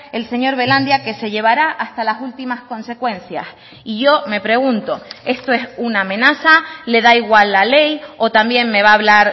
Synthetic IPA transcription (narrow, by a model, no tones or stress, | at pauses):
e̞lse̞ɲo̞ɾβe̞lãnd̪jake̞se̞ʎe̞β̞aɾaʔast̪alasult̪imasko̞nse̞kwẽ̞nθja̰s | iʝo̞me̞pɾe̞ɣ̞unt̪o̞e̞st̪o̞e̞sunaːmẽ̞nasale̞ðaiɣwalːale̞jo̞t̪ambje̞ŋme̞β̞aːβlaɾ